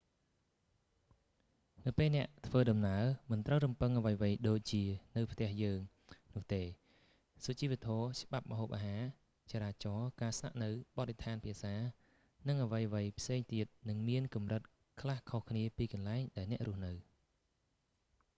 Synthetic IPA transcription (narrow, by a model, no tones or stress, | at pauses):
nɨwpeːlnɛ̆əʔt̪ʰʋəːɗɑmnaəmɨnt̪rəwrumpɨŋʔəʋəjʋəjɗoːc̚t͡ɕiənɨwpʰt̪ɛ̆əhjəːŋ | nʊ̆əht̪eː | sut͡ɕiːʋeət̪ʰɔːt͡ɕɓap̚ɓəɦoːp̚ʔaːɦaː | t͡ɕaːɾaːt͡ɕɑːkaːsna̰ʔnɨwɓɑt̪̚ret̪ʰaːnpʰiəsaː | nɨŋʔəʋəjʋəjpʰseːŋt̪iət̪̚nɨŋmiənkumrɨt̪̚ | kʰlahkʰohkʰniəpiːkɑnlaɛŋɗaɛlnɛ̆əʔrŭəhnɨw